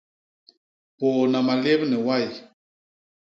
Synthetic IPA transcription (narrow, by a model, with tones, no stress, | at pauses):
po˨na˨ma˨le˦bnɛ˨wa˦˨j